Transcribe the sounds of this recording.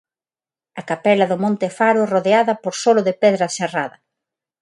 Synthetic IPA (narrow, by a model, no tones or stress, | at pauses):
ɐkapɛlɐðʊmõnt̪ɪfaɾʊɛroðeaðɐpoɾsolʊðepɛðɾɐseraðɐ